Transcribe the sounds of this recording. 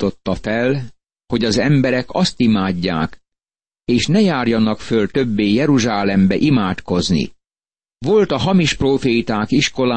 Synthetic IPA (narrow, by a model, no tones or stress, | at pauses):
t̪o̞t̪ːɒfɛl | ho̞ɟɒzɛmbɛɾɛkɒst̪imaːɟːa̰ːk | eːʃnɛjaːrjɒnɒkfølt̪ø̞bːeːjɛɾuʒaːlɛmbɛʔimaːt̪ko̞znḭ | ʋo̞lt̪ɒɦɒmiʃproːfeːt̪aːkiʃko̞laː